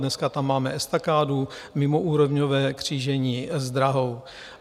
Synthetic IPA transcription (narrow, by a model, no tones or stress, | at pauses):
dnɛskat̪amːaːmɛʔɛst̪akaːdumɪmoʔuːɾovɲovɛːkr̝̥iːʒɛɲiːzd̪ɾaɦo̞w